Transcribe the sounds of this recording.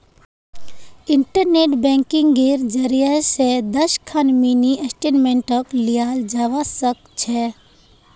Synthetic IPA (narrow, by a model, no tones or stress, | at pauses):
ɪ̃ɳʈəɾneːʈbɛ̃ːŋkɪ̃ŋɡɡiɾd͡ʒəɾijased̪əʃkʰanminiʔesʈeːnmẽɳʈəklijaːld͡ʒaːʋasək̚t͡ʃʰɛ